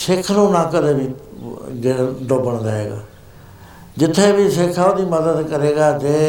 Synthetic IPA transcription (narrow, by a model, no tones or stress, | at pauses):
seːkʰnũːnãːkəd̪eːbiːd͡ʒeːɽd̪oːbəɳd̪aːɦeːɡa̰ː | d͡ʒɪt̪ʰːeːbiːseːkʰaːod̪iːməd̪əd̪kəɾeːɡaːt̪eː